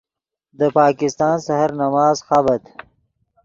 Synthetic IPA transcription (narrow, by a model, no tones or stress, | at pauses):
d̪əpɑːkɪst̪ɑːnsahaɾnɐmɑːzxabɐt̪